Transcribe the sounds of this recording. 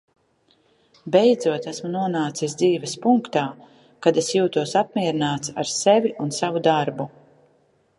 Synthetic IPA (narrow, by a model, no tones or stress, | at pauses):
bɛjd̪zuɔt̪æsmunuɔnaːt̪sisd̪ziːvɛspuŋkt̪aː | kad̪esjuːt̪uɔsap̚mʲiɛɾinaːt̪saɾseviʔunsavud̪aɾbu